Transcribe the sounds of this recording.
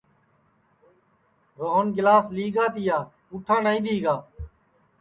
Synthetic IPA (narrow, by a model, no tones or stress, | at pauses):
ɾoːɦənɡɪlaːsliːɡaːt̪ɪjaːkuːʈʰːaːnaːiːd̪iːɡaː